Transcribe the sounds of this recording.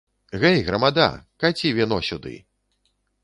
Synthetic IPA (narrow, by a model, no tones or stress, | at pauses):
ɣɛjɣɾɐmad̪a̰kat͡sʲivʲinɔsʲud̪ɨ̰